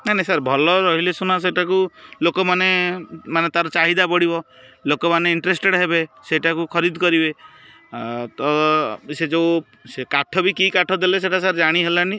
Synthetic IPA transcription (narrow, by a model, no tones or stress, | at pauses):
nanesaɾbʱɔlɔɾɔɦilesunas̬eʈakulokɔmanemanet̪aɾɔt͡ʃaɦid̪apɔɽibɔ | lokɔmaneiɳʈɾesʈeɽɦebeseʈakukʰɔɾid̪ʱkɔɾibe | t̪ɔsed͡ʒew | sekaʈʰɔbikikaʈʰɔd̪eles̬eʈasaɾd͡ʒaɽ̃iɦelani